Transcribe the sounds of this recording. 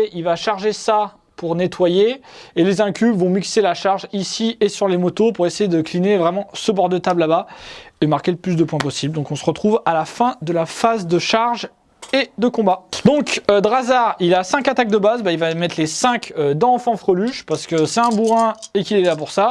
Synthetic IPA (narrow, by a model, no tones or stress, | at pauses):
ʔilvaʃaʁʒesa | puʁnet̪wajeelezɛ̃kʲyvɔ̃mikselaʃaʁʒisiesyʁlemɔt̪opuʁesejed̪əklinevʁɛmɑ̃səbɔʁd̪ət̪ablabaemaʁkʲeləplys̬d̪əpwɛ̃pɔsibld̪ɔ̃kɔ̃səʁət̪χuvalafɛ̃d̪əlafazd̪əʃaʁʒ | ed̪əkɔ̃bad̪ɔ̃kd̪ʁazaʁilasɛ̃kat̪ak̚d̪əbazbailvamɛt̪χlesɛ̃kød̪ɑ̃fɑ̃fχɔlyʃpaʁsə̥kəsɛt̪ɛ̃buʁɛ̃ekʲilɛlapuʁsa